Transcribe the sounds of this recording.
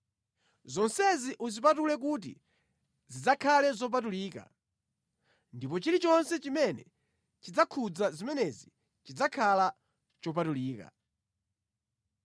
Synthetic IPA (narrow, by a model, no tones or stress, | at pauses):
zɔnsɛziʔuzipatulɛk̬ut̬ḭ | zid͡zakʰalɛzɔp̬atuliːka̰ | ndipɔt͡ʃilit͡ʃɔnsɛt͡ʃimɛnɛ | t͡ʃid͡zakʰud͡zazimɛnɛzi | t͡ʃid͡zakʰala | t͡ʃɔp̬atuliːka̰